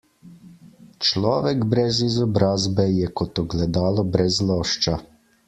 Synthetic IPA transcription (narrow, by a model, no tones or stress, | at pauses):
t͡ʃlɔːʋɛɡbɾɛzizɔbɾaːzbɛjɛkɔt̪ɔɡlɛd̪aːlɔbɾɛzlɔːʃt͡ʃa